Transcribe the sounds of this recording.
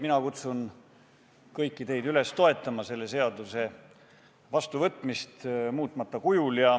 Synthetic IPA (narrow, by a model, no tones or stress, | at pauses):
minɑkut̪sun | kɤjkːˑit̪e̞jd̪̥yle̞st̪o̞e̞t̪ːˑɑmɑse̞lːe̞se̞ɑd̪use̞ | vɑst̪uvɤt̪ːˑmist̪muːt̪ːˑmɑt̪ːˑɑkujuljɑ